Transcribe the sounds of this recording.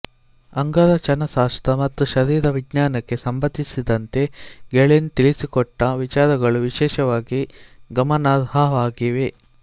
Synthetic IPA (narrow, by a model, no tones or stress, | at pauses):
ɐŋɡɐdɐt͡ʃɐnɐsaːst̪ɐmɐt̪ːuʃɐɾiːɾɐʋiɡɲaːnɐkːe̞sɐmbɐd̪isid̪ɐnt̪e̞ɡeɭenut̪iɭisikɔʈːɐʋit͡ʃaːɾɐɡɐɭuʋiʃɛːʃɐʋaːɡiɡɐmɐnaːd̪haʋaːɡiʋe̞